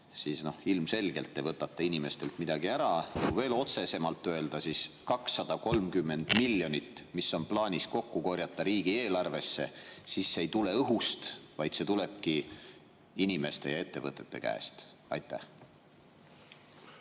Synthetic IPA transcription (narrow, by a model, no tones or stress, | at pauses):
siːsno̞hilmse̞lɡe̞lt̪ːˑevɤt̪ːˑɑt̪ːˑeinime̞st̪e̞lt̪mid̪̥ɑɡ̥iæɾɑuve̞ːlo̞t̪se̞se̞mɑlt̪ːˑø̞e̞ld̪̥ɑsiskɑksːɑd̪̥ɑko̞lmkymːe̞nd̪̥milːjo̞nʲit̪ːˑmisːo̞nplɑːnʲisko̞kːuko̞ɾjɑt̪ːˑɑɾiːɡ̥ie̞ːlɑrve̞sːe̞̰sisːe̞jt̪ule̞ɤɦust̪vɑjd̪̥se̞t̪ule̞b̥̚ki | inime̞st̪e̞jɑe̞t̪ːe̞̰vɤt̪ːˑe̞t̪ːe̞̰kæ̰ːst̪ | ɑ̰jt̪ːæ̰h